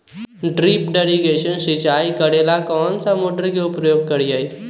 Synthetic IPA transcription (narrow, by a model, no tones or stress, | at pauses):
ɖɾipɖeɽiɡeɕənsit͡ɕajkəɽelakɔnt͡samoʈɾəɡʱepɾəjoɡ̚kəɽijaj